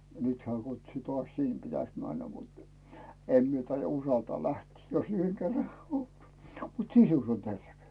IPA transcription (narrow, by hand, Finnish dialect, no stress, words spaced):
jɑ nyt heæˑ kutsu tŏɑs siˑn pitæs mænːæ mut em mie tɑijɑ usɑltɑː læhtiː jos yheŋ kerːɑ mut sisus on terʋe